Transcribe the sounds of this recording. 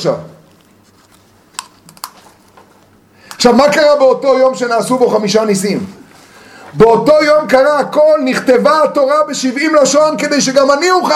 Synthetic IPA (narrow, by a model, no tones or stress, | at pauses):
a̰v | χʃavmakaʁabeot̪o̞jo̞mʃenaːsubo̞χamiʃanisim | beot̪o̞jo̞mkaʁaako̞lniχt̪evaat̪o̞ʁabeʃivimlaʃonked̪e̞jʃ̬eɡamaniuχa